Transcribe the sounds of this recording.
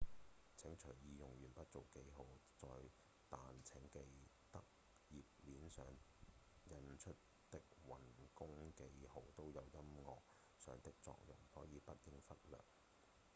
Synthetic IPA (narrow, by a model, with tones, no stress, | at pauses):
t͡sʰɪ˨˥ŋt͡ʃʰɵ˨˩jjiː˧jʊ˨ŋjyː˨˩npɐ˥t̚t͡so˨wke˨˥jɦo˨˧wt͡sɔː˧j | t̪aː˨nt͡sʰɪ˨˥ŋke˧j | t̪ɐ˥k̚ | jiː˨p̚liː˨nsœː˨˧ŋ | jɐ˨˧nt͡ʃʰɵ˥t̚ | t̪ɪ˥k̚wɐ˨˩nkʊ˥ŋke˧jho˨˧wt̪o˥wjɐ˨˧wjɐ˥mŋɔː˨k̚ | sœ̰ː˨˧ŋt̪ɪ˥k̚t͡sɔ̰ː˧k̚jʊ˨˩ŋhɔː˨˥jiː˨˧pɐ˥t̚kɪ˥ŋfɐ˥t̚lœ̰ː˨˩k̚